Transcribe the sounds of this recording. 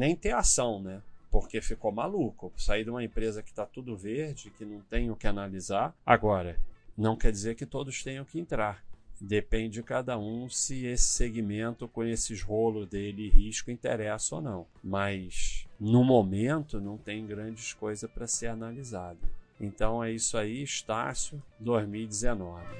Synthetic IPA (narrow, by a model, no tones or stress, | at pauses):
nẽj̃t̪ẽasɐ̃w̃nɛpoɾkefikomalukʊsaid̪ũmɐẽmpɾezɐkɪ̥t̪at̪ud̪ʊveɾd͡ʒɪkɪnɐ̃w̃t̪ẽj̃ʊkɪanalizaɾa̰ɡɔɾɐnɐ̃w̃kɛd͡ʒizeɾkɪt̪od̪ʊʃt̪ẽj̃ɐ̃w̃kɪẽnt̪ɾaɾd̪epẽnd͡ʒɪd͡ʒɪkad̪ɐũsɪesɪ̥seɡimẽnt̪ʊkõesɪɪzvolʊd̪elɪɪhiʃkʊĩnt̪eɾɛsɐo̰nɐ̃w̃mɐjsnʊmomẽnt̪ʊnɐ̃w̃t̪ẽj̃ɡɾɐ̃d͡ʒɪskojzɐpɾɐseɾanalizad̪ɐẽnt̪ɐ̃w̃ɛisʊaiɪʃt̪a̰sjʊd̪ozmiwd͡ʒɪzenɔvɪ